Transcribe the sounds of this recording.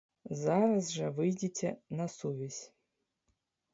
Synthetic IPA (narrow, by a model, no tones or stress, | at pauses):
zaɾɐzʐɛʋɨjdʲitʲʰɛnɐsuʋʲizʲ